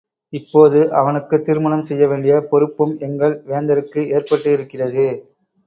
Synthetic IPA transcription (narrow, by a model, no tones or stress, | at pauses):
ɪpːoːðɯʔɐʋɐnɯkːɯt̪ːɪɾɯmɐɳɐmsɛjːɐʋeːɳɖɪjɐpɔɾɯpːɯmɛŋɡɐɭʋeːnd̪ɐɾɯkːɯeːrpɐʈːɯɪɾɯkːɪrɐðɯ